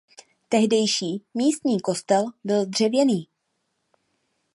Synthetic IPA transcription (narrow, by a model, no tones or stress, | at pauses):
t̪ɛɦdɛjʃiːmiːst̪ɲiːko̞st̪ɛlbɪld̪r̝̥ɛvjɛniː